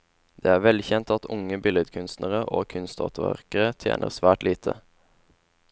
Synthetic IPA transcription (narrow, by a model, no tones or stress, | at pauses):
d̪̥eːæːʁʋɛlçɛnt̪ɑt̪ʊŋəbɪlɛd̪kʰʉnst̪nəʁəʔoːkʰʉnst̪ɔ̰ːt̪ʰəʋæ̰ʁkəʁət̪ʰjḛːnʔə̰ʁsʋæːʈliːt̪ʰə̰